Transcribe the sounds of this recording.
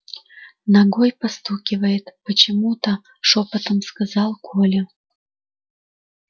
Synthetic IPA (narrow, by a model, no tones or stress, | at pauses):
naɡojpɐst̪ukʲɪvəjɪt̪pət͡ɕɪmut̪ə | ʂopət̪əmskazɑlˠkʰolʲe